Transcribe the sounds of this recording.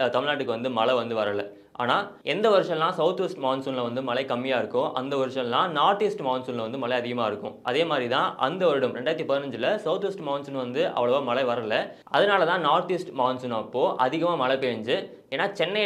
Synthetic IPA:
t̪ɐmɪɭnaːʈːɯkːɯʋɐnd̪ɯmɐɭɐʋɐnd̪ɯʋɐɾɐlɐ | ʔa̰ːnaːɛnd̪ɐʋɐɾɯʂɐ̃lːãːsɐʊt̪ʋɛsʈmɐʊnsʊːnlɐʋɐnd̪ɯmɐɭɐɪkɐmːɪjaːɪɾɯkːʊ̃ʔɐ̰nd̪ɐʋɐɾɯʂɐ̃lãːnaːɾt̪iːsʈmɐʊnsʊ̃nlɐʋɐnd̪ɯmɐɭɐɪɐðɪɣɐmaːɪɾɯkːʊ̰̃ʔɐðeːmaːd̪ɾit̪ãːʔɐ̰nd̪ɐʋɐɾɪɽʊmɾɛɳɖaːjɾɐt̪̬ːipɐðɪnɐɲd͡ʒɪlɐsɐʊt̪ʋɛsʈmɐʊnsʊnʋɐnd̪ɯʔɐ̰ʋɐɭɐʋoːmɐɭɐɪʋɐɾɐlɐ | ɐðɯnaːlɐt̪ãːnaːɾt̪iːsʈmɐːnsʊnapːoːʔɐðɪɣɐmaːmɐɭɐpeːɐɲd͡ʒɯ | eːnːaːt͡ʃɛnːɐ

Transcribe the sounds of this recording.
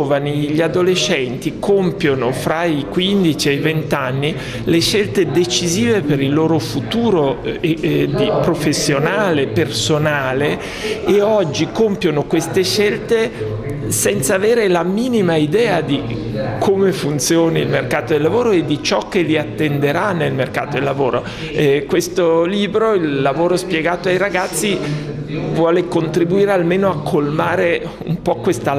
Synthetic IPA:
ovaniʎiad̪olet͡ʃːɛnt̪ikompjonofɾaikwind̪it͡ʃiejvent̪anːi | leʃːelt̪ed̪et͡ʃiziːvepeɾilːoːɾofut̪uːɾoed̪ipɾofesːjonaːlepersonaːleː | ɔd͡ʒːikompjonokwest̪eʃːelt̪e | sɛnt̪saveːɾelamiːnimaid̪ɛːad̪i | kʰomefunt̪sjoːnailmerkaːt̪od̪elːavoːɾoed̪ːit͡ʃɔk̟ːeliat̪ːend̪eɾanːelmerka̰ːt̪od̪elːavoːɾo | ɛkwest̪oliːbɾoilːavoːɾospjeɡaːt̪oajɾaɡat̪sːi | vwɔːlekont̪ɾibuiːɾealmeːnoakʰːolmaːɾe | ṵmpɔkwest̪a

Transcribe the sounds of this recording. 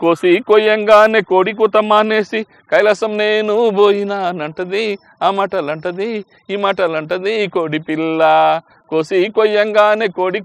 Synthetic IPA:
koːsikoːjɐŋɡaːneːkoːɽik̬ut̪ɐmaːneːsi | kɐjlɐsɐmneːnuboːjinaːnɐɳʈɐd̪i | aːmaːʈɐlɐɳʈɐd̪i | iːmaːʈɐlɐɳʈɐd̪ikoːɽipilːɐ | koːsikoːjɐŋɡaːneːkoːɽi

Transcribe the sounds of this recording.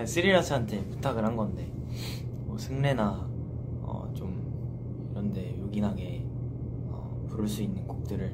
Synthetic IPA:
es͈ʰɯɾiɾɦasʰɯɦantʰe̞pu̥tʰaɡɯɭɦanɡʌnde̞ | mʌsʰɯŋne̞na | ʌ̰t͡ɕom | iɾʌnde̞joɡinɦaɡe̞ | ʌ̰ | puɾɯɭs͈uinːɯnɡuk̚t͈ɯɾɯɭ

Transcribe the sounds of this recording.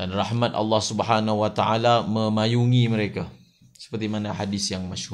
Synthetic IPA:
danrahmãt̪a̰lːɑhsubɦanahwat̪aʔalamə̃majuŋĩməɾeka | sə̥pərt̪imanaħadisjaŋmaʃhu

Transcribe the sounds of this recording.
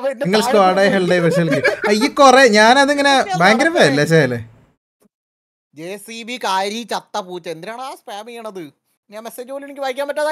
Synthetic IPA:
iŋːɐɭstaːɽaːjɦelɖejʋɐʂ̬ɐlkʲːɨaikːoreɲaːnɐðeŋːɐnebaːŋɡɾɐbaːjɐlːeɕ̬ajɐlːḛ | d͡ʑeːsibikaːɾit͡ɕɐt̪ːɐpuːt͡ɕːɐend̪iɾaːɳaːspaːmijuɳɐðɨ | ɲaːnmeseːd͡ʑuoːlinikʲːɨʋajikʲːaːmpɐtːaða

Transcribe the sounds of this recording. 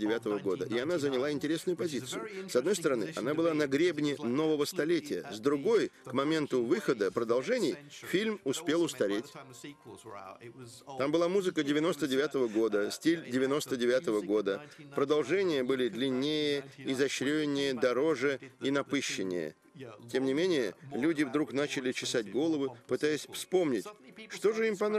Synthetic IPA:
dʲɪvʲat̪əvəɡo̞d̪əʔɪɐnazənʲɪlˠaɪnʲtʲɪɾʲesnʊjʊpɐzʲit̪sɨjʊ̰sɐd̪nojst̪əɾɐnɨʔɐ̰nabɨlˠanɐɡɾʲebnʲɪno̞vəvəst̪ɐlʲetʲɪjə̰zd̪ɾʊɡo̞jkmɐmʲe̞nt̪ʊvɨxəd̪əpɾəd̪ɐlˠʐɛnʲɪjfʲilʲmʊspʲe̞lˠʊst̪ɐɾʲetʲ | t̪ambɨlˠamuzɨkədʲɪvʲɪno̞st̪ədʲɪvʲat̪əvəɡo̞d̪əsʲtʲilʲdʲɪvʲɪno̞st̪ədʲɪvʲat̪əvəɡo̞d̪əpɾəd̪ɐlˠʐɛnʲɪjəbɨlʲɪd̪lʲɪnʲːejəizɐɕɾʲeɪnʲːɪjəd̪ɐɾo̞ʐɨinɐpɨɕːɪnʲɪ̰jə̰ | tʲe̞mnʲɪmʲenʲɪjəlʲudʲɪvd̪ɾukn̪at͡ɕɪlʲɪt͡ɕɪsat̚ʲɡo̞lˠəvɨpɨt̪ajɪsʲfspo̞mnʲɪtʲʂt̪o̞ʐɨimpɐn

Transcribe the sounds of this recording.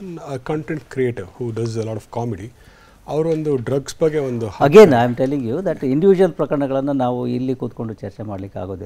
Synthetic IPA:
ɐnɐkɐ̃ɳʈeɳʈkɾieːʈiɾhuːɖɐzelɔːʈɔfkaːmeɖi | ɐʋɐɾuond̪uɖɾɐɡsbɐɡeond̪uhɐɡenɐjmʈelːiŋɡjud̪ɐʈiɳɖiʋid͡ʒuʋɐlpɾɐkɐɾɐɳɐɡɐɭɐnːunaːʋuilːikuːt̪ko̞ɳɖut͡ʃɐɾt͡ʃemaːɽɐlikːa̰ːɡo̞ːd̪i

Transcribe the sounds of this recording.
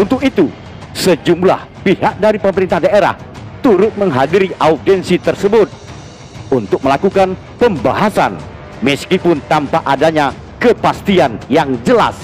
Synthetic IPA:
unt̪ʊkit̪u | səd͡ʒumbla̰hpiɦak̚daɾipəməɾint̪ahdaeɾa̰ht̪uɾʊt̪̚məŋɦadiɾiʔaufdɛnsit̪ərsəbʊt̪̚ | unt̪ʊk̚məlakukan | pəmbaɦasa̰n | məskipʊnt̪ampaʔadaɲa | kəpast̪ianjaŋd͡ʒəla̰s

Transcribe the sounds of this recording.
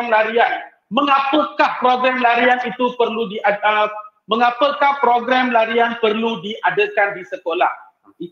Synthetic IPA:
ŋlaɾian | mə̃ŋãpəkahpɾoɡɾɛmlaɾianit̪upərludiʔaə | mə̃ŋapəkahpɾoɡɾɛmlaɾianpərludiʔadəkandisəkola̰h | i

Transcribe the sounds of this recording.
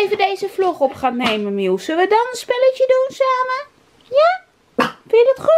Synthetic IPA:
ejvədejzəfluχɔpχaːnːejmənmulˠsələʋədɔnənspɪləcədunsaːmə | ja | fɪjədɔtχu

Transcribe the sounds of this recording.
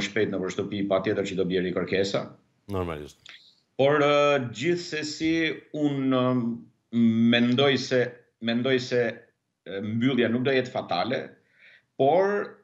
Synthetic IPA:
ʃpɛjt̪nəpəɾʃt̪əpipat̪jɛt̪əɾt͡ʃəd̪ɔbjɛɾikəɾkɛsa̰ | nɔɾma̰lḭʃt̪̚ | pɔɾd͡ʑiθsɛsiun | mɛnd̪ɔjsɛ | mɛnd̪ɔjsɛ | mbylˠjanuk̚d̪ɔjɛt̪fat̪alɛ̰ | pɔɾ

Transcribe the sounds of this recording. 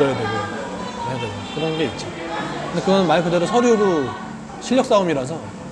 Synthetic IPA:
ʌjʌdweɡo | eadweɡokɯɾʌnɡe̞it̚t͡ɕ͈o | kɯnd̪ekɯɡʌnɯnmaɭkɯde̞ɾosʰʌɾuɾo | ɕʰiʎːʌk̚s͈aumiɾas̬ʰʌ

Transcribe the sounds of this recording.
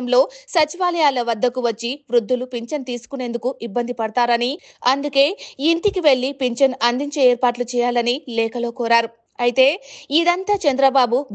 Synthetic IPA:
mlo̞ːsɐt͡ʃiʋaːlɐjaːlɐʋɐd̪ːɐkuʋɐt͡ʃːiʋɾud̪ʱːulupiɲt͡ʃɐnt̪iːsu̥kune̞ːnd̪ukuʔibːɐnd̪ipɐɽɐt̪aːɾɐni | ɐnd̪uke̞ːint̪ikiʋe̞ɭːipeɲt͡ʃɐnɐnd̪iɲt͡ʃe̞ːeːɾpaːʈlut͡ʃɛːjaːlɐnilɛːkɐlo̞ːkɔːɾaːɾu | ɐjit̪e̞ːid̪ɐnt̪aːt͡ʃɐnd̪ɾɐbaːbubʱ

